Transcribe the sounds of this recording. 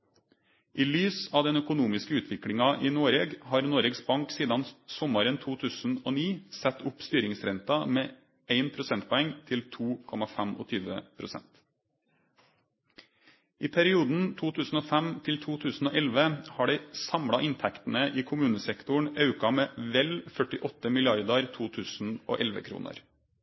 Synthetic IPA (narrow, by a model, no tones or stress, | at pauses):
ʔiːlyːsɑːʋd̪ɛnœkʊnuːmɪskəʉːt̪ʰʋɪkɽɪŋɑʔiːnoːɾeːɡhɑːɾnoːɾeːɡsbɑŋksiːd̪ɑnsɔmɑɾənt̪ʰuːt̪ʰʉːsn̩oːniːsɛt̪ʊpst̪yːɾɪŋsɾɛnt̪ɑmeː | ʔeɪnpʰɾʊsɛnt̪̚pʰɔɛŋt̪ʰɪlt̪ʰuːkʰɔmɑfæmo̰ːt̪ʰyːʋə̰pʰɾʊsɛ̰nt̪ | ʔiːpʰæɾɪuːd̪n̩t̪ʰuːt̪ʰʉːsn̩oːfæmt̪ʰɪlt̪ʰuːt̪ʰʉːsn̩oːʔɛlʋəhɑːɖɛɪsɑmɽɑʔɪnt̪ʰækt̪n̩əʔiːkʰʊmʉːnəsɛkt̪ʊɳɑʉkɑmeːʋɛlfœʈɪʔɔt̪ːəmɪlɪɑɾd̪ɑɾt̪ʰuːt̪ʰʉːsn̩ʔo̰ːʔɛlʋə̰kʰɾṵːnʔə̰ɾ